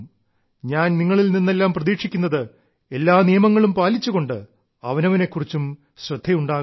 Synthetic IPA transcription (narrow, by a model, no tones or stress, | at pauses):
ɲaːnniŋːɐɭilninːe̞lːaːmprɐðiːkʂikʲːunːɐðɨ | e̞lːaːnijɐmɐŋːɐɭumpaːlit͡ɕːuɣo̞ɳɖɨ | ɐʋɐnɐʋɐne̞kːurit͡ɕːum | ɕrɐd̪ʱːɐjuɳɖaːɣ